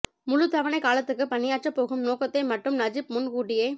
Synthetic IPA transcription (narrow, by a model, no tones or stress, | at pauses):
mʊɻʊt̪ɐʋɐnɐɪkaːlɐt̪ːɯkːɯpɐnːɪjaːʈt͡ʃɐpːoːɣɯmnoːkɐt̪ːɐɪmɐʈrɯmnɐd͡ʒɪpmʊnkuːʈːɪjeː